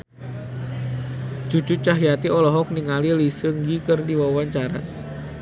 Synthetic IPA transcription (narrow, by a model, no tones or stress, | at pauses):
ʒ̥u̥d͡ʒ̥ʊt͡ʃaɦjat̪iɔlɔɦɔk̚niŋalilisəŋɡikərdiwawaɲt͡ʃaɾa̰